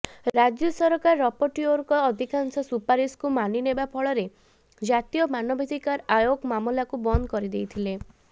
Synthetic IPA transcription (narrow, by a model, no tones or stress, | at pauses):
ɾad͡ʒjɔsɔɾɔkaɾːɔpɔʈioɾkɔːd̪ʱikansɔsupaɾiskumaninebapʰɔɭɔɾe | d͡ʒat̪ijɔmanɔbʱed̪ikaɾajoɡmamulakubɔnd̪ɔkɔɾid̪ejt̪ʰile